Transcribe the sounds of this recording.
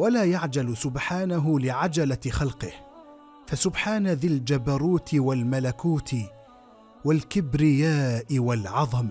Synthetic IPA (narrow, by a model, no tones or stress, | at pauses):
walaːjaʕd͡ʒalsʊbħaːnaɦʊlɪʕad͡ʒalaxɑlqɨh | fasʊbħaːnaðɪld͡ʒabaɾˤuːt̪ɪwalmalakuːt̪ɪ | walkɪbɾɪjaːʔɪwalʕɑðˤɑma